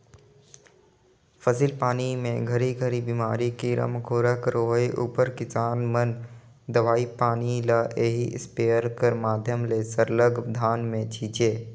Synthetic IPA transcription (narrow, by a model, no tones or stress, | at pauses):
fʰəsilpaːnimẽɡʱəɾiɡʱəɾibimaːɾikiɾɐ̰mkʰoːɾəkɾoːɦeʔuːpəɾkɪsaːnmən | d̪ɐʋaːipaːnilaʔeːɦiʔspeːəɾkəɾmaːd̪ʱjəmlesəɾləɡd̪ʱaːnmẽt͡ʃʰiːt͡ʃeː